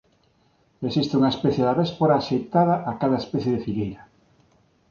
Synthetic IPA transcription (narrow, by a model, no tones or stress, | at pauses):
esist̪ɪuŋaespɛθjeðaβɛspoɾaːʃejt̪aðaʔakaðɐespɛθjeðefiɣejɾɐ